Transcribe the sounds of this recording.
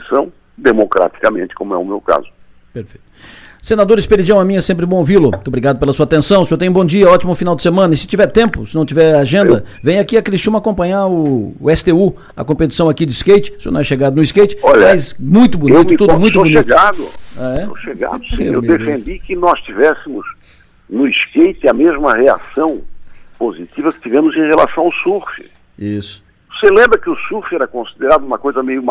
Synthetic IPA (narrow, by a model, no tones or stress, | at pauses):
isɐ̃w̃ | d̪emokɾa̰t̪i̥kɐmẽnt͡ʃ̪ɪ̥kõmʊɛ̰ʊmewka̰zʊ | peɾfejt̪senad̪oɾɪspeɾid͡ʒɐ̃w̃amĩɲɐɛsẽmp̬ɾɪbõovilʊmobɾiɡad̪ʊpelɐsuɐat̪ẽsɐ̃w̃sɪewt̪ẽũbõd͡ʒiɐɔt͡ʃimʊfinawd͡ʒ̪ɪ̥semɐ̃nɐɪsɪ̥t͡ʃivɛɾt̪ẽmpʊsɪnɐ̃w̃t͡ʃivɛɾaʒẽnd̪ɐvẽj̃akiɐkɾist͡ʃĩmɐakõpɐ̃ɲaʊːɛsɪ̥t̪eu | ɐ̰kõpet͡ʃi̥sɐ̃w̃akid͡ʒ̪ɪiskejt͡ʃɪ̥seonɐ̃w̃ɛʃeɡad̪ʊnʊiskejt͡ʃɪ̥ɔʎɐmajsmũj̃t̪ʊbuneitmt̪ud̪ʊmũt̪buneɡad̪ʊ̰aɛo̰ʃeɡa̰d̪ʊsĩḛwd̪efẽnd̪ikɪnɔst͡ʃivɛsɪmʊz | nʊiskejt͡ʃ̪ɪɐmezmɐhea̰sɐ̃w̃pozit̪ivɐkɪ̥t͡ʃ̪ivẽmʊzẽj̃ʁela̰sɐ̃w̃aʊsufɪ̰ | isʊ̥ | oselẽmbɾɐkɪʊsufɛɾɐkõsid̪eɾad̪ʊũmɐkojzɐmejʊm